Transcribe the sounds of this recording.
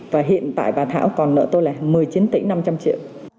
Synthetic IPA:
vaː˨˩ɦḭ˧˨ənt̪a̰ː˧˨jɓaː˨˩t̪ʰa̰ː˧˥wkɔ˨˩nːɨ̰˧˥t̪o˧jlaː˨˩mɨ˨˩əjt͡ɕi˨˦ənt̪ḭ˧˥ŋ̟na˧mt͡ɕa˧mt͡ɕḭ˧˨əw

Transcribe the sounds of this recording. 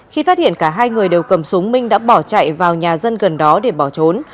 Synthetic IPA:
xi˧faː˦˥t̚hḭ˧˨ənkaː˧˩ɦaː˧jŋɨ˨˩əjɗe˨˩wkə˨˧˩msʊ˨˦ŋ͡mmï˧ŋ̟ɗa̰ː˧˥ɓɔ˧˩t͡ɕa̰ː˧˨jvaː˨˩wɲaː˨˩zə˧nɣə˨˩nɗɔ˨˦ɗe˧˩ɓɔ˧˩t͡ɕo˨˦n

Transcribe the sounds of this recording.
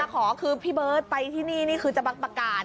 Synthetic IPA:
a˧˩kʰɔː˩˦kʰɯː˧pʰiː˥˩bɤː˦˥˩t̪̚pa˧jt̪ʰiː˥˩niː˥˩niː˥˩kʰɯː˧t͡ɕa˧˨˩ba˧˦k̚pa˧kaː˨˩

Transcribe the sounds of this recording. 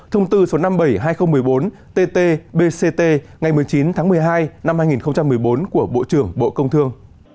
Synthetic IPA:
t̪ʰə˧wŋ͡mt̪ɨ˧so˨˦na˧mɓə˧˩jɦaː˧jxə˧wŋ͡mmɨ˨˩əjɓo˨˦n | t̪e˧t̪e˧ɓe˧se˧t̪e˧ŋa˨˩jmɨ˨˩əjt͡ɕi˨˦nt̪ʰaː˨˦ŋmɨ˨˩əjɦaː˧jna˧mhaː˧jŋi˨˩nxə˧wŋ͡mt͡ɕa˧mːɨ˨˩əjɓo˨˦nku˧˩əɓo̰˧˨t͡ɕɨ˧˩əŋɓo̰˧˨kə˧wŋ͡mt̪ʰɨ˧əŋ

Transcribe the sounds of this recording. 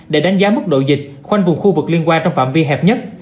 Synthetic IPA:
ɗe˧˩ɗa˨˦ŋzaː˨˦mɨ˦˥t̚ɗo̰˧˨jzï˨˩k̟̚xwa˧jŋ̟vʊ˨˩ŋ͡mxu˧vɨ˨˩k̚li˧ənkwaː˧nt͡ɕɔ˧wŋ͡mfa̰ː˧˨mvi˧ɦɛ˨˩p̚ɲə˦˥t̚

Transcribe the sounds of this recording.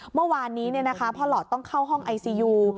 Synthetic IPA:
mɯ˥˩˨waː˧nːiː˦˥ni˥˩ɐna˦˥kʰa˦˥pʰɔː˦˥lɔː˨˩t̪ːɔ˥˩ŋkʰa˥˩wɦɔ˥˩ŋʔa˧jsiː˧juː˧

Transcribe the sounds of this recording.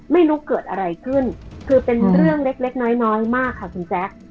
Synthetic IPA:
ma˥˩jɾuː˦˥kɤː˨˩t̪̚ʔa˧ɾa˧jkʰɯ˥˩nkʰɯː˧pe˧nɾɯ˥˩əŋle˦˥k̚le˦˥k̚nɔː˦˥jnɔː˦˥jmaː˥˩kʰːa˥˩kʰu˧nt͡ɕɛː˦˥k̚

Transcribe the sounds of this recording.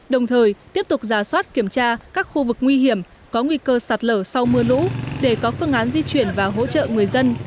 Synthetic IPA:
ɗə˨˩wŋ͡mt̪ʰəː˨˩jt̪i˦˥əp̚t̪ʊ˨˩k͡p̚zaː˧˩swaː˦˥t̚ki˧˩əmt͡ɕaː˧kaː˦˥k̚xu˧vɨ˨˩k̚ŋwi˧ɦi˧˩əm | kɔ˨˦ŋwi˧kəː˧saː˨˩t̚ləː˧˩sa˧wmɨ˧əlṵ˧˥ɗe˧˩kɔ˨˦fɨ˧əŋʔaː˨˦nzi˧t͡ɕwi˧˩ənvaː˨˩ɦo̰˧˥t͡ɕə̰˧˨ŋɨ˨˩əjzə˧n

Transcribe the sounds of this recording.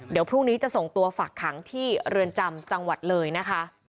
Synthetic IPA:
di˨˩˦wpʰɾuː˥˩ŋniː˦˥t͡ɕa˨˩ʔso˨˩ŋt̪u˧ɐfaː˨˩kʰːa˩˦ŋt̪ʰiː˥˩ɾɯ˧ənt͡ɕa˧mt͡ɕa˧ŋwa˨˩t̪̚lɤː˧jna˦˥kʰa˦˥

